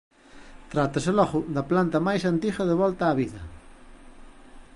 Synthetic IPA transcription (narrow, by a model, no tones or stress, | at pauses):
t̪ɾat̪ɐsɪlɔɣʊd̪ɐplant̪ɐmajsant̪iɣɐðeβɔlt̪aːβiðɐ̰